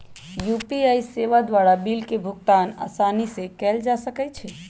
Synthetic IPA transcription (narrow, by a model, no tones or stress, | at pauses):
jupiajseʋad̪ʋaɾabilkebʱukt̪ana̰sanisẽkɛld͡ʒasəkɛt͡ʃʰɛ